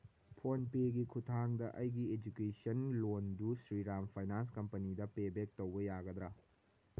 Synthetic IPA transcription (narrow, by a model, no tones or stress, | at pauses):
pʰonpeɡikʰutʰaŋdɐʔɐjɡied͡ʒukesɐnlondusɾiɾampʰajnans̬kɐmpɐnidɐpebek̚towbɐjaɡɐd̪ɾɐ